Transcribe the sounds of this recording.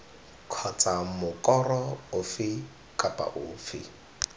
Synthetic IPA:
kʰɔt͡sʼamʊkʼɔrɔʊfɪ | kʼapʼa̰ʔʊːfɪ̰

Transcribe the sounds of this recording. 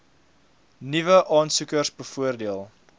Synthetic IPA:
nivəʔɑːnsukərsbəfuərdiəlˠ

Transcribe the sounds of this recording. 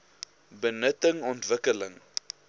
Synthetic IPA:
bənətəŋɔntvəkələŋ

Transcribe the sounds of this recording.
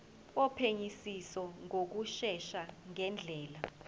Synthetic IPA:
ɔpʰeɲisisɔŋok̬uʃɛʃaŋɛnd͡ɮʱɛːla

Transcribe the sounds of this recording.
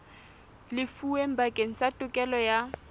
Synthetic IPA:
lɪfuem̩bakʼeŋ̩satʼʊkʼɛlɔja

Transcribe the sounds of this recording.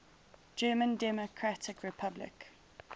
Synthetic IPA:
d͡ʒɜːmə̃ndɛmokʰɹatɪkʰɹɪpʰablɪ̰k

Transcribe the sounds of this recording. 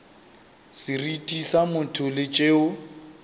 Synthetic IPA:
sɪritʼisamʊtʰʊlɪt͡ʃʼeːʊ

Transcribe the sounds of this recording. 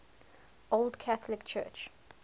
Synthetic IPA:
ʔoldkʰaθlɪkt͡ʃʰɜ̰ˑt͡ʃ

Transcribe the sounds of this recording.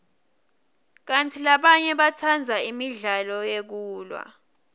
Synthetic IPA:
k̬antʰilaɓaɲɛɓatʰand͡zʱaimiɮalɔjek̬uːlwa̰

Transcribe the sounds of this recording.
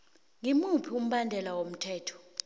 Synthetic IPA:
ŋimupʰium̩ɓandʱɛlawom̩tʰɛːtʰɔ̥

